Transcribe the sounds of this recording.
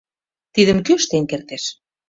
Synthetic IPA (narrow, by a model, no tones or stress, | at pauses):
t̪iðə̆mkøʃt̪eŋkert̪eʃ